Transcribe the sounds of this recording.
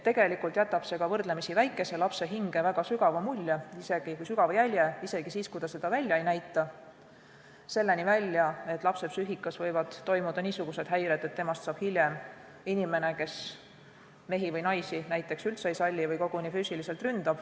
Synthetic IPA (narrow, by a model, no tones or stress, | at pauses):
t̪eɡ̥e̞likult̪jæt̪ːˑɑb̥se̞ɡ̥ɑvɤrd̪le̞misivæjkːˑe̞se̞lɑpse̞ɦiŋɡ̥e̞væɡ̥ɑsyɡ̥ɑvɑmulʲːjeise̞ɡ̥ikujsyɡ̥ɑvɑjælʲjeise̞ɡ̥isiːskujd̪ɑse̞d̪̥ɑvælʲːjɑejnæjt̪ˑːɑ | se̞lːe̞nivælʲːjɑe̞t̪ːˑlɑpse̞psyɦikːˑɑsvɤjvɑd̪̥ːo̞jmud̪̥ɑniːsuɡ̥use̞d̪ɦæjɾed̪e̞t̪ːe̞mɑst̪sɑːb̥hilʲjem | inime̞ne̞ke̞s | me̞ɦivɤjnɑjsinæjt̪ːˑe̞ksylt̪sejsɑlʲːivɤjko̞ɡ̥unifyːsilise̞lt̪rynd̪̥ɑb̥